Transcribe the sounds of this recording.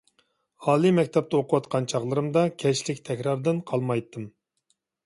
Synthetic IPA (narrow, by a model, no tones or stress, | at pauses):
hɑːlˠimɛkʲt̪ʰɛp̚t̪ʰɑoqʰʊwɑt̪qʰɑnt͡ʃʰɑχlˠɨɾɨmd̪ɑkʲʰɛʃlɪkʲt̪ʰɛkʲɾɑɾd̪ɨnqʰɑlˠmɑjt̪ʰːɨm